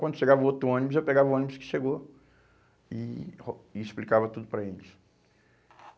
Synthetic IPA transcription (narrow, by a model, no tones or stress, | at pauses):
kwɐ̃d̪ʊʃeɡavɐot̪ɾʊõɐ̃nibʊzewpeɡavɐõnibʊskɪ̥ʃeɡo | ɪ | ɪsplikavɐt̪ud̪ʊpɾɐelɪs